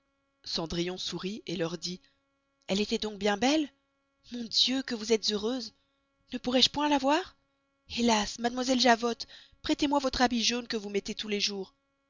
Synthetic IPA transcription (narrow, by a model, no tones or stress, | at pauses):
sɑ̃d̪ʁijɔ̃suʁielœʁd̪i | ɛlet̪ɛd̪ɔ̃k̚bjɛ̃bɛl | mɔ̃d̪jøkəvuzɛt̪z̥øʁøz | nəpuʁɛʃpwɛ̃lavwaʁ | elasmad̪mwazɛlʒavɔt̪ | pχɛt̪emwavɔt̪χabiʒonkəvumɛt̪et̪uleʒuʁ